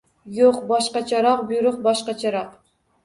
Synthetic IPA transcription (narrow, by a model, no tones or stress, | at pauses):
joqbɑʃqɑt͡ʃʰɑɾɑq̚bujɾʊq̚bɑʃqɑt͡ʃʰɑɾɑq